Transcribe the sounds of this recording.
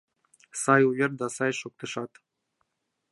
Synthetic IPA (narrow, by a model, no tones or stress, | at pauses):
sɑjujɤɾd̪ɑsɑjʃok̚t̪ə̆ʃɑt̪